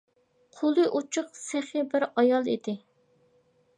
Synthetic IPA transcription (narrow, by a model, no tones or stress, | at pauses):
qʰolˠɨʔut͡ʃʰʊqsæχɪbɪɾɑjɑlˠid̪ɪ